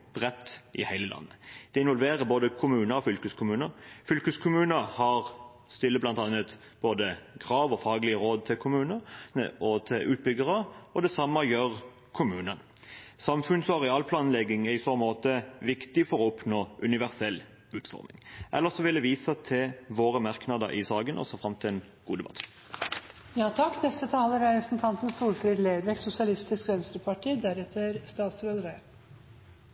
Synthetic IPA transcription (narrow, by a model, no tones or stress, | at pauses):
b̥ʁɛt̪ːʔɪ̰hæɪləlɑ̰nːəd̪̥ɛɪnʋɔlʋeːʁəboːd̪əkʰʊmʉːnəɾɔfʏlkəskʰʊmʉːnəɾfʏlkəskʰʊmʉːnəhɑʁ | st̪ʏlːəblɑnt̪ɑːnət̪ | b̥oːd̪əɡʁɑːʋɔfɑːɡlɪəɾoːd̪̚t̪ʰɪlkʰʊmʉːnəəʔɔt̪ʰɪlʔʉːt̪̚bʏɡəʁəɔd̪ɛsɑmːəjøːʁ | kʰʊmʉːnən | sɑmfʉnsɔɑʁɛɑːlpʰlɑːnlɛɡɪŋæɪsɔmoːt̪əʋɪkt̪ɪfɔʁɔɔpnoːʔʉnɪʋæʁsɛlː | ʉːt̪fɔ̰ʁmɪ̰ŋʔɛ̰lːəʁsɔʋɪld̪ɛʋiːsət̪ʰɪʋoːʁəmɑʁknɑd̪ə̰ɾʔɪ̰sɑːɡənʔɔ̰sɔfɾɑmt̪ʰɪlɛn | ɡ̥uːd̪ɛbɑ̰t̪ː | jɑːt̪ʰɑkːnɛst̪ət̪ʰɑːləɾæɾɛsn̩t̪ʰɑnt̪ən̩suːlfɾiːd̪leːɾʋɛksʊsɪɑlɪst̪ɪskʋœnst̪ɾəpʰɑʈiːd̪æɾɛt̪ʰəɾst̪ɑːt̪sɾød̪ɾe